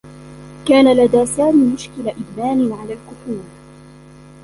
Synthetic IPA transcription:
kaːnalad̪aːsaːmiːmʊʃkɪlaʔɪd̪maːnɪʕalaːlkʊfuːɾ

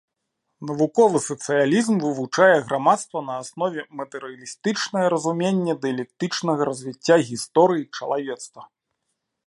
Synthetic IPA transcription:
nɐvukɔvɨsɐt̪sɨjalʲizmvɨvut͡ʂajɛɣɾʔamat̪st̪vɐnɐasnɔvʲɛmɐt̪ɛɾɨjɐlʲist̪ɨt͡ʂnɐjɐɾɐzumʲenʲːɛd̪ɛɐlʲɛk̚t̪ɨt͡ʂnɐɣɐɾɐzʲvʲit͡sʲːaɣʲist̪ɔɾɨjit͡ʂɐlˠavʲɛt̪st̪vɐ

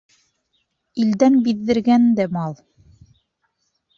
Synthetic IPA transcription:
ild̪ænbiðːɘ̆ɾɡænd̪æmɑlˠ

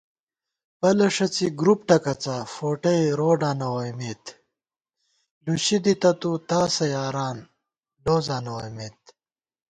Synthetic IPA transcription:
pɐlɐʂɐt͡siɡɾupʈɐkɐt͡saːfoːʈɐjɾoːɖãːnɐwɐjmeːt̪ | luɕid̪it̪ɐt̪ut̪aːsɐjaːɾaːn | loːzaːnɐwɐjmeːt̪̚

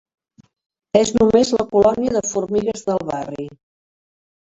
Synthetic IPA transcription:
eznumezləkulɔniəðəfuɾmiɣəzðəlˠβari

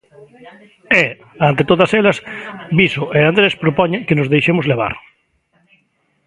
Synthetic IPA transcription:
e | ant̪et̪oðɐselɐsbisoeand̪ɾespɾopɔɲekenozðejʃemʊzleβ̞a̰ɾ

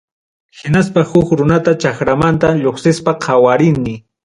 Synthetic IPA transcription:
hɪnaspahʊkɾʊnat̪at͡ʃaxɾamant̪aʎoχsɪspaqʰawaɾɪnmɪ

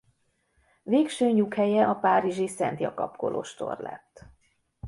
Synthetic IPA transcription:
veːkʃøːɲukhɛjɛʔɒpaːɾiʒisɛnt̪jɒkɒ̰pkolʔo̰ːʃt̪o̞̰rlɛ̰t̪ː

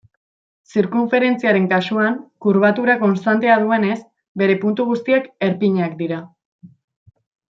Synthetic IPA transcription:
siɾkuɱfe̞ɾe̞nt͡siaɾe̞ŋkasuaŋkuɾβ̞at̪uɾako̞nst̪ant̪e̞að̞ue̞ne̞s | be̞ɾe̞punt̪uɣ̞ust̪iake̞ɾpiɲeakd̪iɾa

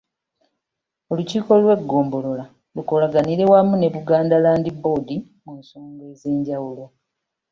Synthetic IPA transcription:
o̞luciːko̞lwe̞ɡːo̞ːmbo̞lo̞la | luko̞laɡaniɾe̞wamune̞βuɡaːndalaːndibo̞di | munsoːŋɡe̞ːze̞ːɲɟawulo̞

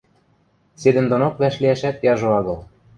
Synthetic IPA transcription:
sed̪ɘ̆nd̪onokβæʃliæʃæt̪jɑʒoɑɣɤ̆lˠ

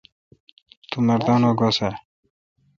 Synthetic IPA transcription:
t̪umɐɾd̪ɑːnoɡosa

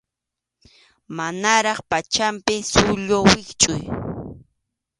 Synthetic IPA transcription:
manaɾɑχpat͡ʃampɪsʊʎowɪkt͡ʃʼʊ̰j

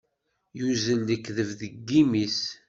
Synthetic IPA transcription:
juzəlːəkːðəvðəɡːimis

